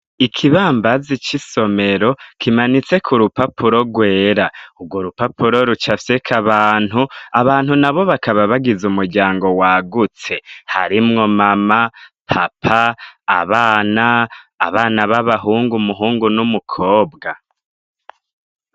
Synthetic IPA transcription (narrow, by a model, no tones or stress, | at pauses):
ikʰiβaːmbazit͡ʃiso̞me̞ɾo̞kʰimanit͡se̞kʰuɾupapuɾo̞ɡwe̞ːɾaubɡwoɾupapuɾo̞ɾut͡ʃafse̞kʰaβaːn̥huaβaːnhunaβo̞βakaβaβaɡizumuɾɟaːŋɡo̞waɡut͡se̞ha̰ɾimŋo̞mama | pʰapʰa̰ːβaːna̰ːβaːnaβaβaɦuːŋɡumuɦuːŋɡunumukʰoːbɡa